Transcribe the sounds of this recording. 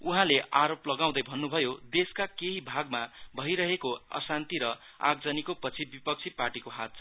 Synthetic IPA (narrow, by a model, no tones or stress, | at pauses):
uɦãleʔaɾoplʌɡaw̃d̪ʌjbʱʌnːubʱʌjod̪eskakeɦibʱaɡmabʱʌiɾʌɦekoʌ̰sant̪iɾʌ | a̰ɡ̚d͡zʌnikopʌt͡sʰibipʌk̚t͡sʰiparʈikoɦat̪̚t͡sʰʌ